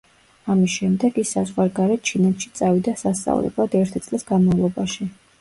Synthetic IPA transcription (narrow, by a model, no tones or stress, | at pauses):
amisʃɛmd̪ɛɡisazʁwaɾɡaɾɛt̪̚t͡ʃʰinɛt̪ʰʃi̥t̪sʼavid̪asast̪sʼa̰vlɛ̰blˠad̪ɛɾt̪ʰit̪sʼlisɡanmavlˠɔbaʃi